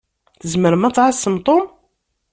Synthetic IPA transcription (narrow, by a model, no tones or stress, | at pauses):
θəzməɾəmæt͡sːʕəsːəmt̪ˤom